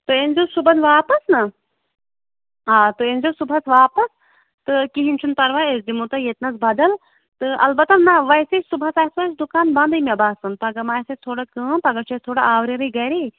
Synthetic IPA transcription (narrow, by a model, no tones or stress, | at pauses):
t̪ɨenzoːsubɐnʋaːpɐsnɐ | aːt̪ɨenʲzoːsubʱɐsʋaːpɐs | t̪ɨkiɦinʲt͡ʃʰunpɐɾʋaesd̪imut̪ɐjet̪nɐsbɐd̪ɐl | t̪ɨʔɐlbɐt̪ɐnɐʋɐsesubʱɐsaːsʋɐsd̪ukaːnbɐ̃nd̪ɨjmʲɐbaːsɐnpɐɡɐmaːjsɐt̪ʰoːɽakəːmpɐɡɐt͡ʃʰest̪ʰoːɽaaːʋɾeɾɐɡɐɾi